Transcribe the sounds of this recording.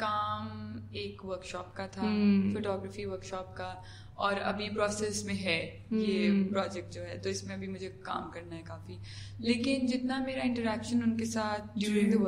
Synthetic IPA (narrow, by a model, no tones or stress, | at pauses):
kaːmeːkʋəɾkʃɔːpkat̪ʰafoːʈɔːɡɾəfiʋəɾkʃɔːp̚ka | ɔːɾɐ̰bʱipɾɔːsɛsmẽɦɛ | jepɾɔːd͡ʒɛk̚ʈ̚d͡ʒoːɦɛːt̪oɪsmẽɐbʱimʊd͡ʒʱeka̰ːmkɐɾnaɦɛkaːfi | leːkɪnd͡ʒɪt̪nameːɾaɪ̃ɳʈəɾɛːkʃənʊnkesaːt̪̚ʰd͡ʒuʊːɾɪ̃d̪ɦ